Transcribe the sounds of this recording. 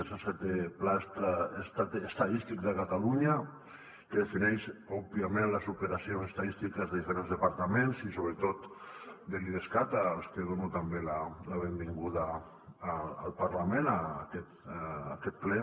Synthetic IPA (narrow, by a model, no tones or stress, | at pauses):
esaset̪eplast̪aest̪at̪est̪aðist̪ik̚d̪əkat̪aluɲa | keðefinɛʃɔbiamẽnlasupeɾasionsest̪aðist̪ikazðeðifeɾenzðepaɾt̪amensisoβɾet̪ot̪d̪eliðeskat̪alskeðonut̪ambelalaβembiŋɡuðaː | lpaɾlamẽnaːkɛt̪ːkɛt̪̚plɛ